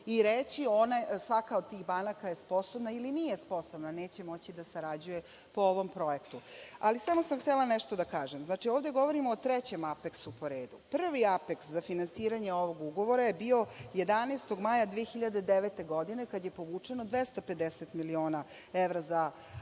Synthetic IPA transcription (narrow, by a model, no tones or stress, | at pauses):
iɾet͡ɕio̞nasʋakaod̪̚t̪iːɣbanakajespo̞sobnailinijespo̞sobnaneːt͡ɕemo̞t͡ɕid̪asaɾad͡ʑuje̞ | pooʋo̞mpɾo̞ekt̪ualisamosamxt̪elˠanɛʃt̪od̪akaːʒemznaːt͡ʂioːʋd̪e̞ɡo̞ʋo̞ɾimoːt̪ɾɛt͡ɕe̞mapeksupo̞ɾeːd̪upr̩ʋiapekszafinansiːɾaɲeoʋo̞ɡuɡo̞ʋo̞ɾajebio̞je̞d̪aneːst̪o̞ɡmajad̪ʋiexiʎad̪ed̪eʋet̪e̞ɡo̞d̪ine̞kad̪je̞po̞ʋuːt͡ʂenod̪ʋest̪ape̞d̪eset̪milio̞ːna | eʋɾaza